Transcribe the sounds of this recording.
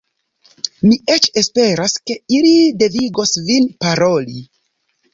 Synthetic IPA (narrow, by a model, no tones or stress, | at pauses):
miʔet͡ʃe̞spe̞ɾaske̞ilide̞viɡo̞svinpaɾoli